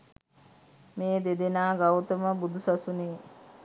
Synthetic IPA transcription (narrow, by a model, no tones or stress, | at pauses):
meːd̪ed̪enaːɡawt̪əməbud̪usasuneː